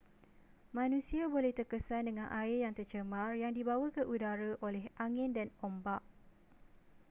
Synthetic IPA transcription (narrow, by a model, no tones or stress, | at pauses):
mãnũsiabolɛht̪ərkəsandəŋanʔaɪrjaŋt̪ərt͡ʃəmãrjaŋdibawakəʔudaɾaʔolɛɦaŋɪ̃ndanɔmbaʔ